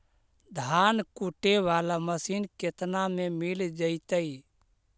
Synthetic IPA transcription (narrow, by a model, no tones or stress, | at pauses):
d̪ʱaːnkuʈeʋaːlaməsiːnket̪namẽmɪld͡ʒəit̪əi